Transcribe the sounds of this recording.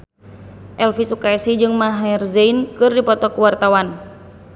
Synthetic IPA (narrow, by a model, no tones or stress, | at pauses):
ʔɛlfisukasid͡ʒɨŋmaɦɛrzɛinkɨrdipɔt̪ɔkəwart̪awan